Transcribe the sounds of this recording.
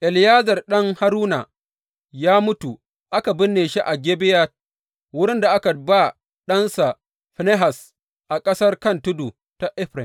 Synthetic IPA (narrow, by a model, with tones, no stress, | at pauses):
ʔɛ˨ljaː˦zɐ˨rɗɐ˦ŋha˦ɾuː˦na˨ | jaː˦mʊ˦tu˨ | ʔa˦ka˨bɪ˦nːeː˨ʃi˦ʔa˨ɡʲeː˦bɪ˦ja˦ | wʊ˦ɽɪ˦nda˨ʔa˦ka˨ba˦˨ | ɗɐ˦nsa˨ | ɸne˦ɦa˨s | ʔa˨kʼɐ˦sɐ˦rkɐ˦ntʊ˦du˨ | ta˨ʔɪ˦ɸɾɪ˨n